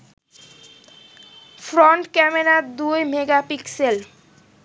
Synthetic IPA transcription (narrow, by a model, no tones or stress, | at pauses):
fɾɔɳʈkɛmeɾad̪ujmeɡapiksel